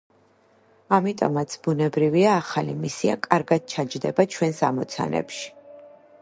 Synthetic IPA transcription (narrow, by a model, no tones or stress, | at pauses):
amit̪ʼɔ̰mat̪sʰb̥unɛbɾiviaːχalimisia̰kʼaɾɡad̪̥̚t͡ʃʰad͡ʒd̪ɛbat͡ʃʰwɛnsamɔt̪sʰa̰nɛ̰pʃi̥